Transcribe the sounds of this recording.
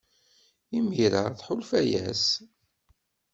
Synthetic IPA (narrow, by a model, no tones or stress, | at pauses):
imiɾəɾθħʊlfæjæ̰s